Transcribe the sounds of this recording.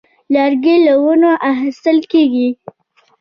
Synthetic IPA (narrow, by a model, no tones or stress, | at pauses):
lɑɾɡelawənoʔaxɪst̪əlkeɡi